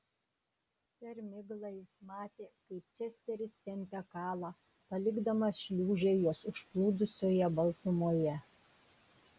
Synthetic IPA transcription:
pʲɛɾmʲɪɡlˠɑjɪsmɑːt̪ʲeːkɐɪp̚t͡ʃʲɛsʲt̪ʲɛɾʲɪst̪ʲɛmʲpʲɛkɑːlˠɑː | pɐlʲɪɡd̪ɐmɐʃʲlʲuːʒʲɛjoːsʊʃplˠuːd̪ʊsʲoːjɛbɐlˠt̪ʊmoːjɛ

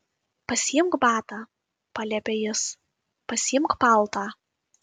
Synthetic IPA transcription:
pɐsʲɪjɪmkbɑːt̪ɑː | pɑlʲɛpʲɛjɪs | pɐsʲɪjɪmˑkpɐlˠt̪ɑː

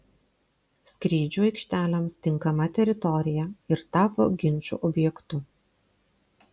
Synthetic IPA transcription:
sʲkɾʲiːd͡ʒʲuːɐɪkʃʲt̪ʲæːlʲɛmst̪ʲɪŋkɐmɐt̪ʲɛɾʲɪt̪ɔɾʲɪjɛɪɾt̪ɑːpo̰ːɡʲɪnʲt͡ʃʲṵːʔɔbʲjɛkt̪ʊ

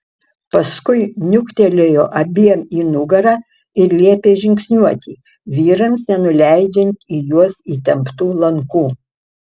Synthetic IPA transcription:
pɐskʊɪnʲʊkt̪ʲɛlʲeːjoːʔɐbʲiːɛmiːnʊɡɐɾɑː | ɪɾlʲiɛpʲeːʒʲɪŋʲksʲnʲuɔt̪ʲiː | ʋʲiːɾɐmsnʲɛnʊlʲæɪd͡ʒʲɛnʲt̪ʲiːjuɔsiːt̪ʲɛmpt̪uːlˠɐŋkuː

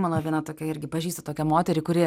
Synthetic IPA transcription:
mɐlˠɐʋʲiɛnɐt̪oːkʲɛɪɾʲɡʲɪpɐʒʲiːst̪ɐt̪oːkʲɛmoːt̪ʲɛɾʲɪkʊɾʲɪ

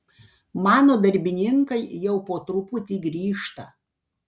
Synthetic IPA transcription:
mɑːnoːd̪ɐɾʲbʲɪnʲɪŋkɐɪjɛʊpoːt̪ɾʊpʊt̪ʲiːɡɾʲiːʃt̪ɐ

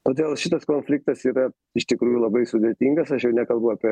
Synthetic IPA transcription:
t̪oːd̪ʲeːlˠʃʲɪt̪ɐskoːnʲfʲlʲɪk̚t̪ɐsiːɾɐ | ɪʃt̪ʲɪkɾuːjulˠɐbɐɪsʊd̪ʲɛt̪ʲiŋɡɐsɐʃjɛʊnʲɛkɐlˠbʊɐːpʲɛ

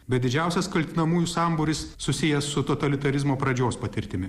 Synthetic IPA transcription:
bʲɛt̪d̪ʲɪd͡ʒʲæˑʊsʲɛskɐlʲt̪ʲɪnɐmuːjusɑmbʊɾʲɪsːʊsʲɪjɛsʊt̪oːt̪ɐlʲɪt̪ɐɾʲɪzmoːpɾɐd͡ʒʲoːspɐt̪ʲɪɾʲt̪ʲɪmʲɪ

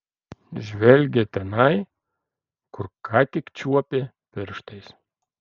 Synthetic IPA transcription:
ʒβelʲɡʲet̪enɑj | kurkːɑkʲikt͡ɕuɔpʲe | pɘrʃt̪es

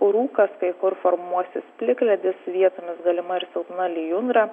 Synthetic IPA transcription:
ʊɾuːkɐskɐɪkʊɾfoɾmuɔsʲɪspʲlʲɪklʲɛd̪ʲɪsʋʲiɛt̪oːmʲɪsɡɐlʲɪmɐɪɾsɛʊt̪nɐlʲɪjʊnd̪ɾɐ

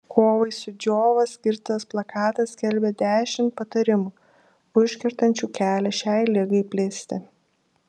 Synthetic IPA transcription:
kʰoːʋɐɪsʊd͡ʒʲoːʋɐsʲkʲɪɾt̪ɐsplˠɐkɑːt̪ɐskʲɛlʲbʲɛd̪ʲæːʃʲɪmt̪pɐt̪ɐɾʲɪmuː | ʊʃʲkʲɛɾt̪ɐnʲt͡ʃʲuːkʲæːlʲɛʃʲɛɪlʲɪɡɐɪpʲlʲeːsʲt̪ʲɪ

